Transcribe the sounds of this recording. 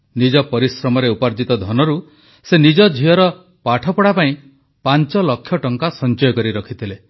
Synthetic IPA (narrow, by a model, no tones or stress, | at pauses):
nid͡ʒɔpɔɾisɾɔmɔɾeupaɾd͡ʒit̪ɔd̪ʱɔnɔɾu | senid͡ʒɔd͡ʒʱiɔɾɔ | paʈʰɔpɔɽapaĩ | pant͡ʃɔlɔkʰːjɔʈɔŋkasɔnt͡ʃɔjɔkɔɾiɾɔkʰit̪ʰile